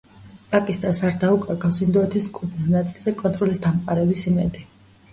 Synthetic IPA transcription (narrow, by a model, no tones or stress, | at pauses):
pʼakʼist̪ʼansaɾd̪aukʼaɾɡafsind̪ɔɛt̪ʰiskʼupʰnisnat̪sʼilˠzɛkʼɔnt̪ʼɾɔlisd̪amqʼaɾɛbisimɛd̪i